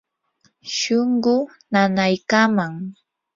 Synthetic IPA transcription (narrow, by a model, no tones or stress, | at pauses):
ʃoɴɢʊ | nanajkamaŋ